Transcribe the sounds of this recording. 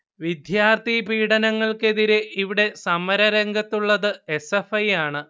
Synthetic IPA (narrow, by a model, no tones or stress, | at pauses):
ʋid̪ʱjaːrt̪ipiːɽɐnɐŋːɐɭke̞ðiɾeʔiʋiɽe̞sɐmːɐɾɐɾɐŋɡɐt̪ːuɭːɐðɨesefɐjaːɳɨ